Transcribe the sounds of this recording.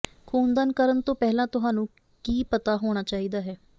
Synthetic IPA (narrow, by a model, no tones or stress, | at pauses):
kʰoːnd̪aːnkəɾənt̪õːpɛːlãːt̪ʊɦaːnũː | kiːpət̪aːɦoːɽ̃aːt͡ʃaːiːd̪aːɦɛː